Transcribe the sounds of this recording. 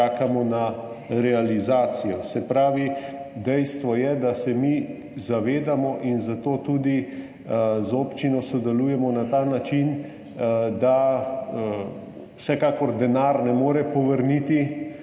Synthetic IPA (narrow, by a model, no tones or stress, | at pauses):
aːkamɔna | ɾɛalizaːt̪sijɔsɛpɾaːʋid̪ɛjst̪ʋɔjɛd̪asɛmi | zaʋeːd̪amɔʔinzat̪oːt̪ud̪i | zoːpt͡ʃinɔsɔd̪ɛluːjɛmɔnat̪aːnat͡ʃin | d̪a | wsɛkaːkɔɾd̪ɛnaːɾnɛmoːɾɛpɔʋəɾnit̪i